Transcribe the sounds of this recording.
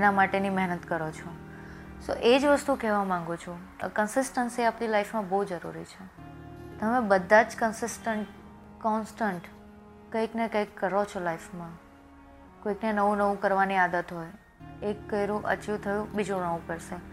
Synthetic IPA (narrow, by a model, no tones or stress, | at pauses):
enamaʈenimɛɦnət̪kəɾot͡ʃʰo | so̰ʔed͡ʒʋəst̪ukɛʋamãŋɡut͡ʃʰṵ | kənsɪsʈənsiapnilajfmãboɦud͡ʒəɾṵɾḭt͡ʃʰet̪əmẽbəd̪ʱːad͡ʒkənsɪsʈəɳʈ | kɔnsʈəɳʈ | kəiknekəikːəɾot͡ʃʰolaifmã | koiknenəʋũnəʋũkəɾʋaniad̪ət̪ɦoj | ekːəjɾũʔə̰t͡ʃiʋt̪ʰəjũbid͡ʒũnəʋũkəɾʃe